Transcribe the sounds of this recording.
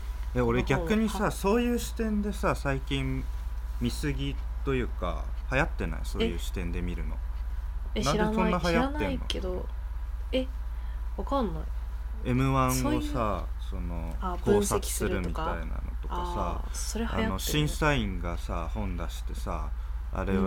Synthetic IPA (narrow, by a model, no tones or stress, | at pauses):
eo̞ɾeɡʲakɯ̟ɲ̟isaso̞ːjɯ̟ːɕi̥t̪ẽ̞nd̪e̞sasaikʲĩm | mʲisɨɡʲit̪o̞jɯ̟ːka̰hajat̪ːe̞na̰jo̰so̞ːjɯ̟ːɕi̥t̪ẽ̞nd̪e̞mʲiɾɯ̟nõ̞̰ | d̪esõ̞nːaɦajat̪ːenoed̪o | eβakanːaie̞mɯ̟βãŋo̞saso̞no̞koːsaki̥sɨɾɾɯ̟mʲit̪aina̰no̞̰t̪o̞kasa̰soɾea̰ano̞ɕĩɰ̃saĩŋɡasahõ̞nd̪aɕi̥t̪e̞sa̰ | a̰ɾe̞